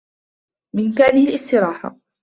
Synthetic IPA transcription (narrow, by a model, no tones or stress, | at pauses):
mɪʔɪmkaːnɪhɪlʔɪst̪ɪɾɑːħa̰